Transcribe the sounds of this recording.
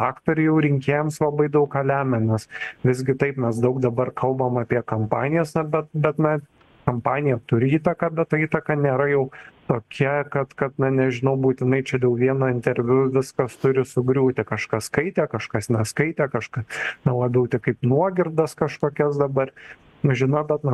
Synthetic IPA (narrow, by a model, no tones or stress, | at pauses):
ɑːkt̪oːɾʲɛɪjɛʊɾʲɪŋʲkʲeːjɛmslˠɐbɐɪd̪ɐʊkɐːlʲæːmʲɛnʲɛsʋʲɪzʲɡʲɪt̪ɐɪpmʲɛsd̪ɐʊk̚d̪ɐbɐrkʰɐlˠbɐmɐpʲiɛkɐmpɑːnʲɪjɛsnɐbʲɛt̪̚bʲɛt̪nɐ | kɐmpɑːnʲɪjɛt̪ʊɾʲɪiːt̪ɐkɑːbʲɛt̪ɐiːt̪ɐkɑnʲeːɾɐjɛʊt̪oːkʲʰɛkɐt̪kɐt̪nɐnʲɛʒʲɪnɐʊbuːt̪ʲɪnɐɪt͡ʃʲɛd̪ɛʊʋʲiɛnoːɪnʲt̪ʲɛɾʲʋʲʊʋʲɪskɐst̪ʊɾʲɪsʊɡɾʲuːt̪ʲɪkɐʃkɐskɐɪt̪ʲeːkɐʃkɐsnʲɛskɐɪt̪ʲeːkɐʃkɐsnɐlˠɑːbʲɛʊt̪ʲɪkɐɪpnuɔɡʲɪrd̪ɐskɐʃkoːkʲɛsd̪ɐbɐr | nʊʒʲɪnɐbʲɛt̪nɐ